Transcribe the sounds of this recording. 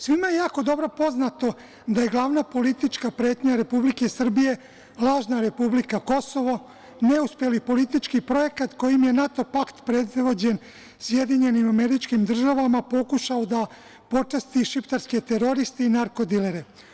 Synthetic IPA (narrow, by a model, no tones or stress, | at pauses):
sʋimajejaːko̞d̪o̞bɾo̞po̞znat̪o̞ | d̪aje̞ɡlˠaʋnapo̞lit̪it͡ʃkapɾe̞ːt̪ɲaɾe̞publike̞sr̩bije̞ | lˠaːʒnaɾe̞publikako̞so̞ʋo | ne̞uspje̞lipo̞lit̪it͡ʃkipɾo̞je̞kat̪ko̞jimje̞nat̪o̞pakt̪pɾe̞d̪ʋo̞d͡ʑe̞n | sje̞d̪iɲe̞nimame̞ɾit͡ʃkimd̪r̩ʒaʋamapo̞kuʃaod̪a | po̞t͡ʂast̪iʃipt̪aɾske̞t̪e̞ɾo̞ɾist̪einaɾko̞d̪ileɾe